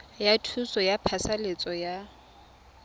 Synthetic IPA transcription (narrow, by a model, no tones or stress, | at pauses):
jatʰusɔjapʰasalet͡sʼɔja